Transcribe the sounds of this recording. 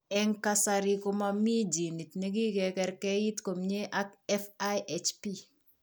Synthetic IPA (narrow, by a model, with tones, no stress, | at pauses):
ɛ˦ŋka˦sa˨ɾi˦ko˦ma˦mi˦d͡ʒi˨ni˨tne˦ɡi˦kɛ˨kɛ˨ɾkɛ˦ji˦tko˨mɲe˦ʔa˦kɛ˦fa˦je˨t͡ʃpi˦